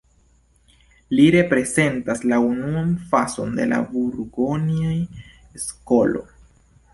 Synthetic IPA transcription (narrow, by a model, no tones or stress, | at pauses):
liɾe̞pɾe̞ze̞ntaslaunuanfaso̞̰nde̞̰la̰buɾɡoniaj | skolo̞̰